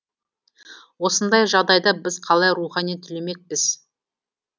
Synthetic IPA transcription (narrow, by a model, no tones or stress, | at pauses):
wo̞sənd̪ɑjʒɑʁd̪ɑjd̪ɑbɪzqʰɑlˠɑjɾuχɑnijt̪ʰʏleme̞k̚pɪz̥